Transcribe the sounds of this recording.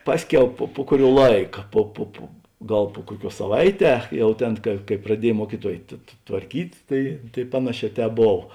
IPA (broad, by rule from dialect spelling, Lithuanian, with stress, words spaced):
ˈpɑːsʲˌkʲɛʊ poː poː ˈkʊˌrʲuɔ ˈlˠɐɪkɐ ˈpoː poː poː ˈɡɐlˠ poː ˈkuɔˌkʲuɔs sɐˈʋɐɪˌtʲɛː ˈjɛʊ ˈtʲeːn kɐ kɐɪ prɐˈdʲiɛj ˈmuɔkʲiːˌtuɔj tʋ tʋɐrʲˈkʲiːtʲ ˈtɐɪ tɐɪ ˈpɑːnɐˌʃʲɛː ˈtʲɛːp ˈboːw